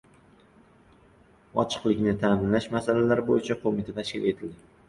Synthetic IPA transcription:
ɒt͡ʃʰɨ̥qlˠɪkʲnɪt̪ʰaːmɪnlaʃmasalalaɾɪbojɪt͡ʃʰaqʰomɪt̪ʰat̪ʰaʃkʲɪlet̪ʰɪld̪ɪ

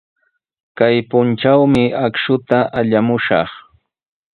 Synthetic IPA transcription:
kajpʊnt͡ʃawmɪakʃʊt̪aʔaʎamʊʃɑ̰χ

